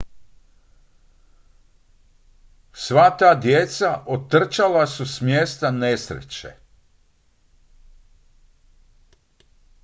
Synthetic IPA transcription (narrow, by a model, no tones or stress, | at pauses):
sʋat̪aːd̪jet̪saʔot̪ːr̩t͡ʃalasusmjeːst̪anesɾḛt͡ɕḛ